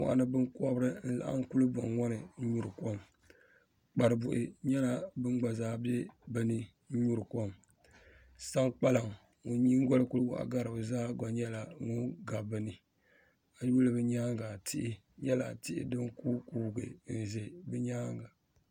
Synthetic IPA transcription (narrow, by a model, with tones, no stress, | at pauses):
ma̰˨ʔa̰˨nɨ˦bɨ˦ŋkɔ˦bɨ˦ɾɨ˦n̩˦la̰˨ʔa̰˦ŋ̩˦ku˦lɨ˦bɔ˨ŋŋɔ˦nɨ˨˦ɲu˨ɾɨ˨kɔ˦m | k͡pa˨ɾɨ˨bu˨ʔɪ˨ɲɛ˦na˨bɨ˦ŋ˦ɡ͡ba˨zaː˦bɛ˦bɨ˦nɨ˦ | ɲ̩˦ɲu˦ɾɨ˨kɔ˦m | sa˦ŋk͡pa˦la˨ŋ | o˨ɲi˦ŋ˦ɡɔ˦lɨ˦ku˦wa̰˨ʔa̰˨ɡa˦ɾɨ˨bɨ˨zaː˦ɡɔ˨ɲɛ˦la˨ŋʊ˦ŋɡa˨bɨ˦nɨ˨ | a˨ju˦lɨ˦bɨ˦ɲaː˦ŋɡa˨tɪ˦ʔɪ˦ | ɲɛ˦la̰˨tɪ˦ʔɪ̰˨dɨ˦ŋkuː˦kuː˨˦ɡɨ̰˨˦n̩˨ze˨bɨ˦ɲaː˦ŋɡa˨